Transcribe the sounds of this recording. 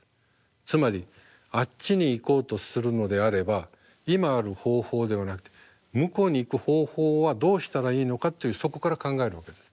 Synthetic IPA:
t͡sɨmaɾʲi | att͡ɕɕiɲ̟iːko̞ːt̪o̞sɨɾɯ̟no̞d̪e̞aɾe̞ba | imaːɾɯ̟ho̞ːho̞ːd̪e̞βanakɯ̟̥t̪e̞̥ | mɯ̟ko̞ːɲ̟iːkɯ̟ho̞ːho̞ːβad̪o̞ːɕi̥t̪aɾaiːno̞kat̪ːo̞jɯ̟ːso̞ko̞kaɾakãŋɡae̞ɾɯ̟βake̞d̪e̞sɨ̥

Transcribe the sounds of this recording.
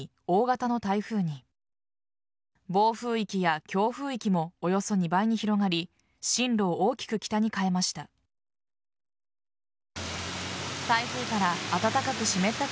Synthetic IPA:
o̞ːɡat̪ano̞t̪aiɸɯ̟ːɲ̟i | bo̞ːɸɯ̟ːikʲijakʲo̞ːɸɯ̟ːikʲimo̞ːjo̞so̞ɲ̟ibaiɲ̟içiɾo̞ɡaɾʲi | ɕĩnɾo̞ːoːkʲi̥kɯ̟kʲi̥t̪aɲ̟ikae̞maɕi̥t̪a | t̪aiɸɯ̟ːkaɾaːt̪at̪akakɯ̟ɕime̞t̪ːa

